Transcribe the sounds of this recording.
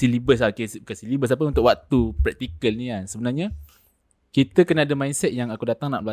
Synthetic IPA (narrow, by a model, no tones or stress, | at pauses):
silibəsakeskasilibəs̬apəunt̪ʊkwaʔk̚t̪upɾɛk̚t̪ikəlniansəbənarɲa | kit̪əkənaːdamainsɛt̪̚jaŋakudat̪aŋnaʔ̚lua